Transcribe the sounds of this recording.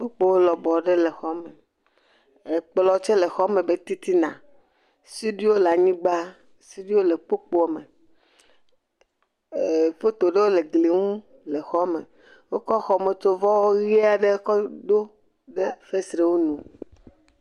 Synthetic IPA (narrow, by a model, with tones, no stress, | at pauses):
k͡po˦k͡po˦wo˦lɔ˨bɔ˨ɖe˦le˨xɔ˦me˨ | e˨k͡plɔ˨t͡ʃe˦le˨xɔ˦me˨be˦t̪i˦t̪i˦nã̰˨ | si˦ɖi˦wo˦la˨ɲĩ˦ɡ͡ba˦ | si˦ɖi˦wo˦le˨k͡po˦k͡po˦a˨me˨ | fe˦t̪o˨ɖe˦wo˦le˨ɡli˨ŋũ˦ | le˨xɔ˦mḛ˨ | wo˦kɔ˦xɔ˨me˨t̪o˦vɔ˦wo˦ɣi˦a˨ɖe˦kɔ˦d̪o˦ | ɖe˦fe˦sɾe˨wo˦nũ˨